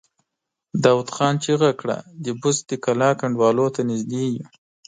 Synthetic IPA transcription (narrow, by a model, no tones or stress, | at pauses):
d̪awt̪xɑːnt͡ʃeɣakɽa̰d̪əbʊzd̪əkalɑkaɳɖwɑlot̪anɪzd̪eju